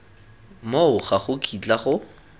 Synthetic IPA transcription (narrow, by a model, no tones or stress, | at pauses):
moʊχaχʊkʼit͡ɬʼaχʊ